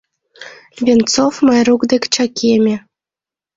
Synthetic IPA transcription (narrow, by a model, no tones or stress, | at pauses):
βʲent͡sofmɑjɾukd̪ekʲt͡ɕɑkʲʰemʲĕ